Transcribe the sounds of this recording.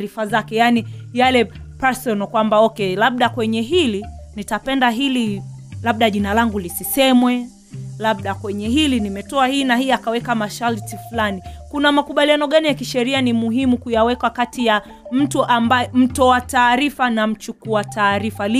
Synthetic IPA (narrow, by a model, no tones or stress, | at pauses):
ɾifazakɛjanijalɛpɛsɔnkwambaɔkɛlaɓ̚ɗakwɛɲɛɦilinitapɛndaɦili | laɓ̚ɗaʄinalaŋɡulisisɛmwɛ | laɓ̚ɗakwɛɲɛɦilinimɛtɔahinahiakawɛkamaʃaltiflanikunamakuɓalianɔɠanijakiʃɛɾianimuɦimukujawɛkwakatija | m̩tuʔambaɛm̩tɔataːɾifanam̩t͡ʃukuataːɾifali